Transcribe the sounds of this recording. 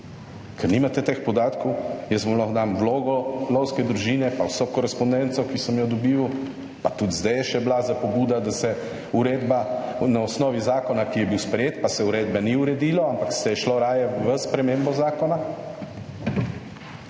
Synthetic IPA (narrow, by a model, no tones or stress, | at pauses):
kʰɛɾnimat̪ɛt̪expɔd̪aːt̪kɔwjɛsmɔmlɔxd̪amʋloːɡɔlɔwskɛd̪ɾuʒiːnɛpawsɔkɔɾɛspɔnd̪ɛnt̪sɔkisɔmjɔd̪ɔbiːu | pat̪ut̪zd̪ajɛʃɛblazapɔbuːd̪ad̪asɛ | uɾeːd̪banaɔsnɔːʋizaːkɔnakijɛbiwspɾɛjeːt̪pasɛuɾeːd̪̚bɛniuɾɛd̪iːlɔampakst̪ɛjɛʃlɔɾaːjɛʋəspɾɛmẽmbɔzaːkɔna